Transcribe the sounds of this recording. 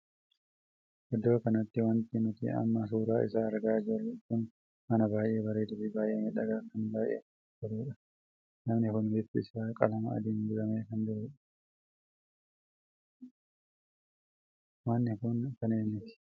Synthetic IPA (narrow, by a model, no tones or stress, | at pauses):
ʔɛd̪ːoːkɐnɐt̪ːɪwɐnt̪ɪnʊt̪ḭɐ̰mːas̬uːɾaːʔɪ̰saːɐɾɡaːd͡ʒɪrːɛkʊn | mɐnɐbaːjʔe̞ːbɐɾeːd̪ʊbɪbaːjʔeːnɪᶑɐɡaːkɐnbaːjʔḛ | d͡ʒɪɾuːᶑɐ | nɐmnɪkʊnbɪbɪɪsaːkʼɐ̰lɐmɐ̰ɐ̰d̪iːnd̪ʊɾɐmeːkɐnd̪ʊɾuːᶑɐ̥ | wanːɪkʊnkɐneːnːɪt̪ɪ̥